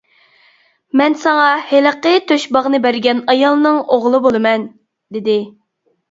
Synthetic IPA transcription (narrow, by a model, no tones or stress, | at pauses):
mɛnsɑŋɑheləqət̪ʰøʃbɑʁnɨbæɾɡʲɛnɑjɑlˠnɨŋoʁlˠɨbolˠɨmɛn | d̪ɪd̪ɪ